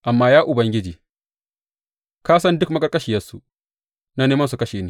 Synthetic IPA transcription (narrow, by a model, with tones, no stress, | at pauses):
ʔa˨mːaː˦jaː˦ʔʊ˨bɐ˦ŋɡʲɪ˦d͡ʒiː˨ | ka˦sɐ˦ndʊ˦kmɐ˦kɐ˦kʼɐ˦ʃi˨jɐ˦su˦ | na˦neː˦mɐ˦ns̬u˨kɐ˦ʃeː˨niː˦